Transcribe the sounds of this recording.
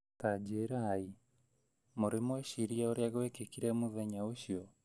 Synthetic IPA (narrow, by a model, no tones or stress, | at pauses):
tad͡ʒeɾai | moɾemwɛʃiɾiaoɾeaɣɛkekiɾɛmoðɛɲaoʃiɔ